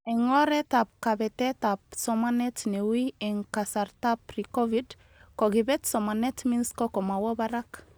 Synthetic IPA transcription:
ɛŋɔɾɛtap̚kabɛtɛtap̚sɔmanɛtnewiɛŋkasaɾtapɾikɔvid | kɔɡibɛtsɔmanɛtminskɔkɔmawɔbaɾak

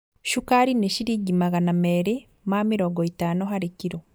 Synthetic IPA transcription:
ʃukaɾineʃiɾiɡimaɣanameːɾe | mamiɾoːŋɡɔitaːnoɦaɾikiɾo

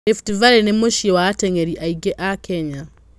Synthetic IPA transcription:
eftivaɾenemoʃiwatɛŋɛɾiʔaiɡɛʔakʰɛɲa

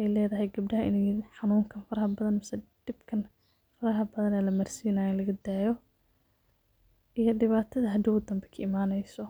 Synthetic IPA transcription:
ɛjlɛːðɐɦɛjɡɐb̚ɖɐɦɐʔɪ̰nɛjħɑnuːŋkʰɐnfɐɾɐhɐbɐðɐnmɐsɛd̪̥ɪbkʰɐn | fɐɾɐɦɐbɐðɐnɛːlɐmɐrsinaːjɔɪnlɐɣɐd̪aːjɔ | ʔijɔɖɪβaːt̪ʰɐðɐɦɐd̪ɪʊd̪ɐmbɛkʰɐɪmaːnɛjsɔ

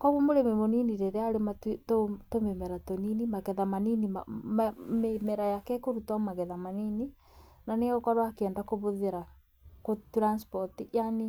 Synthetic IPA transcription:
kwaɣumoɾememoniniɾeɾeaɾemattotomemɛɾatoninimaɣɛðamaninimammemɛɾajakɛkoɾutamaɣɛðamanini | naneokɔɾwakɛːndakoβoðeɾa | kotɾanspɔtiʔjani

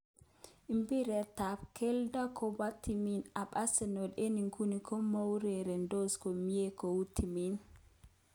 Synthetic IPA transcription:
ʔimpiɾɛtapkɛldakɔwatːiminaɓasɛnɔɗeniŋkunikɔmawɾɛɾɛndɔskɔmijɛkɔwutʰːimin

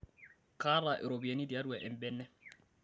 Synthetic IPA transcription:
kaɾaʔɛɾobianidijaduwɛʔɛmbɛnːɛ

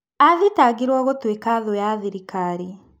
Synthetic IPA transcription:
aðitaːɡiɾwɔɣotwekaðojaðiɾikaːɾi

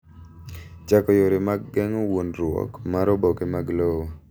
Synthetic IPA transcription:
t͡ʃakɔjoɾɪmaɡːɛŋɔwonɾʊwɔ̰kmaɾɔbɔkemaɡlowo

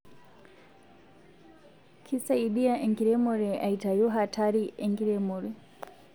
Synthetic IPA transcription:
kʰisaiɗiaʔɛŋɡiɾɛmɔɾɛʔaitajɔɦatʰaɾiɛŋɡiɾɛmɔɾɛ

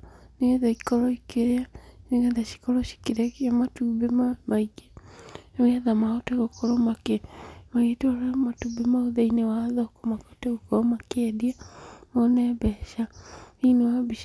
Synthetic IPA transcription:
neɛðaikɔɾɔikeɾeaneŋɛðaʃi̥kɔɾɔʃi̥keɾɛkamatubemamaiɡe | ŋɛðamaɔtɛɣokɔɾɔmakemaetɔɔɾɛmatubemaoðeinewaːðɔkɔmakɔtɛɣokɔɔmakɛdiamɔnɛbɛʃainewabiʃ

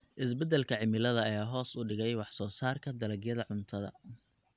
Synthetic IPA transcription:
ʔɪsbɛd̪ɛlkʰɐʕɪmɪlɐðɐːjaːɦɔːsʊɖɪɣɛjwɑħsɔːsaːrkʰɐd̪ɐlɐɡjɐðɐʕʊnt̪ʰɐðɐ̰

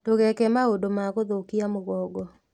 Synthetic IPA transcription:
doɣɛkɛmaodomaɣoðokiamoɣɔɡɔ

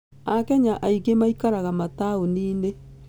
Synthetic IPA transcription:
akɛɲaʔaiɣemaikaɾaɣamataoniːne

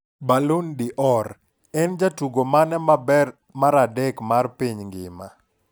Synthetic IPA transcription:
balondiʔɔɾ | ɛnd͡ʒatuɡomanɛmabɛr | maɾadɛkmarpiɲŋɡɪma

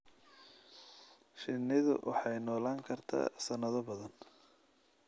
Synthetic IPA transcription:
ʃɪnːɪðʊ̰wʔɑ̰ħɑjnɔːlaːŋkʰɐrt̪ʰa̰ːsɐnɐðɔbɐðɐn

